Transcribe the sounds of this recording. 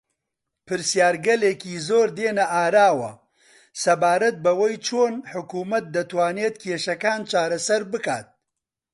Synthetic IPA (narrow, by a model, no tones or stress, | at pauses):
pʰɨɾsijaːɾɡɐleːkiːzoːɾd̪eːnɐʔaːɾaːwɐ̰ | sɐbaːɾɐt̪̚bɐwɐjt͡ʃʰoːnħʊkuːmɐt̪̚d̪ɐt̪waːneːt̪kʰeːʃɐkaːnt͡ʃaːɾɐsɐɾbɨka̰ːt̪̚